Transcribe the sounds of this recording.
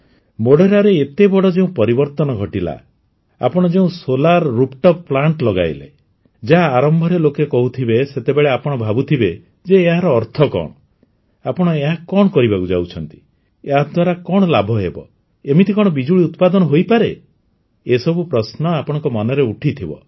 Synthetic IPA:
moɽeɾaɾeːt̪ebɔɽɔd͡ʒeũpɔɾibɔɾt̪ɔnɔɡʱɔʈila̰ | a̰pɔɽ̃ɔd͡ʒeũsolaɾːupʈɔpːplaɳʈlɔɡa̰jlḛ | d͡ʒaɦaːɾɔmbʱɔɾelokekɔɦut̪ʰibeset̪ebeɭeapɔɽ̃ɔbʱabut̪ʰibe | d͡ʒeːɦaɾɔːɾt̪ʰɔkɔ̰ɽ̃ɔ | apɔɽ̃ɔeɦakɔɽɔkɔɾibakud͡ʒa̰wt͡ʃʰɔnt̪i̥ | eɦad̪ʱwaɾakɔɽ̃ɔlabʱɔɦebɔ̰ | emit̪ʰikɔɽ̃ɔbid͡ʒuɭiut̪pad̪ɔnɔɦojpaɾe | esɔbupɾɔsnɔapɔɽ̃ɔŋkɔmɔnɔɾeuʈʰit̪ʰibɔ̰

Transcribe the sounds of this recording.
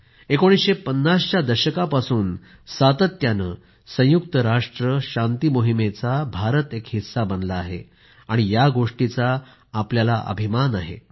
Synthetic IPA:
ekoɽ̃isɕepənːast͡ɕad̪əɾɕəkapasuːn | sat̪ət̪janəː | sə̃juk̚t̪əɾaʂʈɾəɕant̪imoɦimet͡sabʱaɾət̪ekɦit̪sabənlaːɦḛ | aɽ̃ijaɡoʂʈit͡saː | pljalaʔə̰bʱimanaɦḛ

